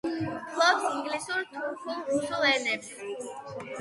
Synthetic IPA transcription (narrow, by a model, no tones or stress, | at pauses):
pʰlɔt̪iŋɡlisuɾt̪ʰuɾpʰulusulɛnɛps